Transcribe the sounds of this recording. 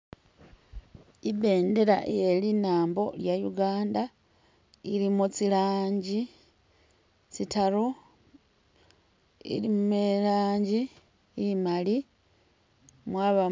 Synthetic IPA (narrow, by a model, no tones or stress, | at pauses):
ibe̞ːnde̞ɾa̰ʔejelinaːmbo̞̰ljajuɡaːnda | iɾimot͡silaːɲɟi | t͡sitaɾo | ḭlimumelaːɲɟiː | imali | mwaːβa